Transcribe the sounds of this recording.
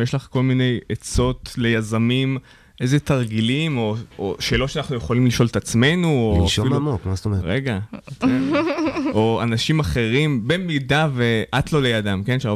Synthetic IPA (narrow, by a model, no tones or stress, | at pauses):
jeʃlaχko̞lmine̞jet͡so̞t̪le̞jazamim | ʔejzet̪aʁɡilimo̞oʃe̞ːlo̞tʃeanaχnujeχolimliʃo̞let̪at͡sme̞nuoʃiumokmastoʁeɡat̪e | ʔoanaʃimaχe̞ʁimbemidaveʔatlo̞le̞jadamke̞nʃea